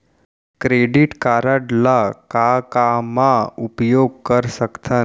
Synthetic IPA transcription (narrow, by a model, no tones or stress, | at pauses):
kɾeɖiʈkaɾəɖlakakamãupjoɡ̚kəɾsəkt̪ʰən